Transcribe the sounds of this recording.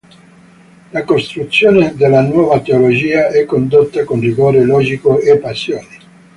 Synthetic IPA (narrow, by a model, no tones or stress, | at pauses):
lakost̪ɾut̪sːjoːned̪elːanwɔːvat̪eolod͡ʒiːaɛkːond̪ot̪ːakonriɡoːɾelɔːd͡ʒikoepːasːjoːni